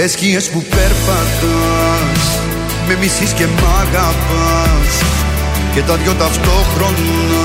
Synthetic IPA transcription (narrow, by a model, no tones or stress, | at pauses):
eskĩespupɛɾpat̪a | s | memisiskemaɡapas | ked̪ad̪ɡod̪aft̪okɾon | n